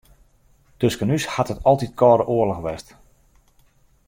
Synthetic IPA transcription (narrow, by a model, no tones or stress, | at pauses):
tɵskənyshathətʰɔlˠtitkʰɔːɾəʔoələxʋɛst